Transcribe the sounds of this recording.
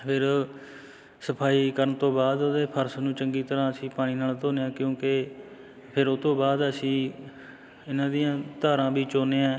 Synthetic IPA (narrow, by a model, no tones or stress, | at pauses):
pʰɪɾ | səpʰaːiːkəɾəɳt̪õːbaːd̪oːd̪eːpʰəɾsnũːt͡ʃəŋɡiːt̪əɾãːəsĩːpaːɽ̃iːnaːlt̪oːnejãːkjõːkɪ | pʰɪɾot̪õːbaːd̪əsĩː | ɪnãːd̪ijãːt̪aːɾãːbiːt͡ʃoːneːãː